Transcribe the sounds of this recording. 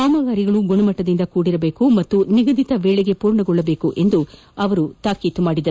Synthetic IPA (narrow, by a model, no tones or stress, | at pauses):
aːmɐɡaːɾiɡɐɭuɡoɳɐmɐʈːɐd̪ind̪ɐkuːɽiɾɐbe̞ːkumɐt̪ːuniɡɐd̪it̪ɐʋeːɭeɡe̞puːɾɳɐɡɔɭːɐbeːkuʔe̞nd̪u | ɐʋɐɾut̪aːkiːt̪umaːɽid̪ɐ